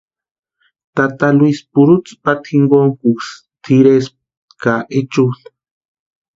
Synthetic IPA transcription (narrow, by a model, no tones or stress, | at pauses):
t̪at̪alwuispuɾut͡spat̪ʰxiŋɡoŋkuks | t̪ʰiɾes | kaʔet͡ʃuɬ